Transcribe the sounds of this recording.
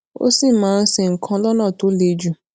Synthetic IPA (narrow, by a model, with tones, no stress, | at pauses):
o̰˦si˦˨mãː˦˧n̩˦se˨ŋ̩˨kʰã˧˦lɔ˦nã˦˨to˨˦le˧d͡ʒu˦˨